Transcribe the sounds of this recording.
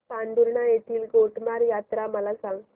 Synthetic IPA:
aɳɖ̪uɾɳajet̪ʰiːlɡoʈmaɾjat̪ɾaməlasaŋɡ

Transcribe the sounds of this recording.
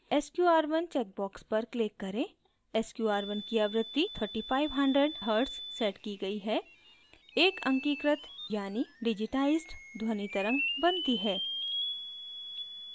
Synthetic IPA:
eskjuaːɾʋənt͡ʃɛːk̚bɔːkspɐɾklekːɐɾẽ | eskjuaːɾʋənkiɐʋɾət̪ːit̪ʰəɾʈifaːɪʋɦɐ̃ɳɖɾəɖɦəɾɖsːɛːʈkiɡɐiɦɛ | eːkʰɐ̃ŋkiːkɾət̪jaːniɖɪd͡ʒɪʈaːɪzɖd̪ʱwənit̪əɾə̃ŋɡbɐ̃nt̪iɦɛː

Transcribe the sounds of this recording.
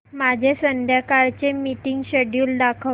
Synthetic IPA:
mad͡ʑʱesənd̪ʱjakaɾt͡ɕemiʈiŋɡɕeɽjuːld̪akʰə

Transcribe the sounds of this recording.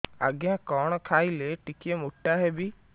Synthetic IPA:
a̰ɡjãkɔɽ̃ɔkʰaːileʈikiemoʈːaɦɛbi

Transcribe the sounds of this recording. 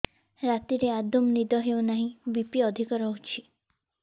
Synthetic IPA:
ɾat̪iɾead̪omnid̪ɔɦeunaɦĩbipiɔd̪ʱikɔɾɔɦut͡ʃʰi

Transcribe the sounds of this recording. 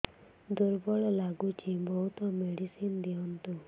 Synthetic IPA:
d̪uɾbɔɭɔlaɡut͡ʃʰibɔɦut̪ɔmeɽisind̪iɔnt̪u

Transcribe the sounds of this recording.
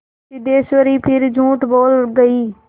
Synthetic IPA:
tɪd̪eːsʋəɾiːpʰɪɾd͡ʒʱũːʈboːlɡəiː

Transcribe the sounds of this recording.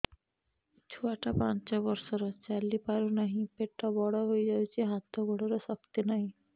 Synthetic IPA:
t͡ɕʰuaʈapant͡ɕabɔɾʃɔɾɔt͡ɕalːipaɾunaɦĩpeʈʈabɔɽɔɦojd͡ʑawt͡ɕʰiɦat̪ːoɡoɽɔɾɔʃɔkt̪inaɦĩ

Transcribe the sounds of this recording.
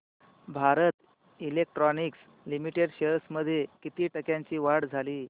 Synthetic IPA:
bʱaɾət̪ | ilek̚ʈɾɔniks | limiʈeɽɕəsməd̪ʱːjekit̪iːʈəkjãɲt͡ɕiːʋaɽd͡zʱaliː

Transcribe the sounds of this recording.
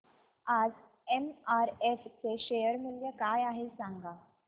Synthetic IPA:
ad͡z | emaɾeft͡seɕejəɾmiljəkajaɦesaŋɡa

